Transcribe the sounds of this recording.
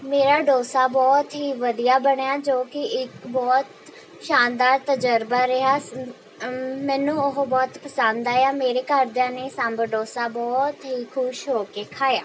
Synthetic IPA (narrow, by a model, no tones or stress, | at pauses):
meːɾaːɖoːsaːbɔːt̪ɦiːʋəd̪ijaːbəɳjaːd͡ʒoːkɪɪkbɔːt̪ | ʃaːnd̪aːɾt̪əd͡ʒəɾbaːɾəɦaː | mɛ̃ːnũːʊɦbɔːt̪pʰəsə̃nd̪aːjaːmeːɾeːkəɾd̪jãːneːsəmbɖoːsaːbɔːt̪ɦiːkʰʊʃɦoːkeːkʰaːjaː